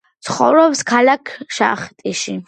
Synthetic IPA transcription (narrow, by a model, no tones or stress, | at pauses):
t̪sʰχɔ̰vɾɔpskʰalakʰʃa̰χt̪ʼiʃi